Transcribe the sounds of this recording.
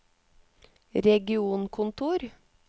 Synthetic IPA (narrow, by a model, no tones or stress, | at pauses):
ɾɛɡɪuːnkʰʊnt̪ʰuːɾ